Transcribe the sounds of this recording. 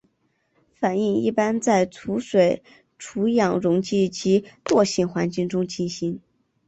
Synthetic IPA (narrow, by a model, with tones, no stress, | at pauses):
fa˨˩ni˥˧ŋḭ˥˩pa˥nt͡sa˥˩ɪt͡sʰu˧˥ʂwe˨˩ɪ | ʈ͡ʂʰu˧˥jɑ˨˩ŋɻʊ˧˥ŋt͡ɕi˥˩t͡ɕi˧˥t̪wɔ˥˧ɕi˥˩ŋxwa˧˥nt͡ɕi˥˩ŋʈ͡ʂʊ˥ŋt͡ɕi˥nɕi˥n